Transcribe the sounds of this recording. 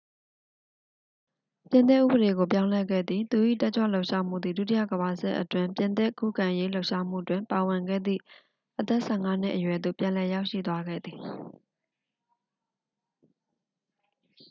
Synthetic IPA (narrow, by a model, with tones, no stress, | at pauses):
pjɪ̃˨nt̪̬ɪ˦ʔːṵ˦˨bə˨ɾe˨ɡo˨p̬jã˦ʊ̃lɛ˦˨ɡɛ̰˦˨d̪ði˨t̪u˨ʔḭ˦˨tɛ˦t͡ɕwa̰˦˨lo˦ʊʔʃa˦m̥ṵ˦˨d̪ði˨du˦t̬i˦ja̰˦˨ɡəβa˨sɪ˦ʔətwɪ̃˨mpjɪ̃˨nt̪ɪ˦ʔkṵ˦˨ɡã˨ʔje˦lo˦ʊʔʃa˦m̥ṵ˦˨twɪ̃˨mpa˨wɪ̃˨ŋɡɛ̰˦˨d̪ðḭ˦˨ | ʔət̪ɛ˦ʔsʰɛ˦˨ŋa˦n̥ɪ̰˦ʔəjwɛ˨d̪o̰˦˨pjã˨lɛ˨ja˦ʊʔʃḭ˦˨t̪wa˦ɡɛ̰˦˨d̪ði˨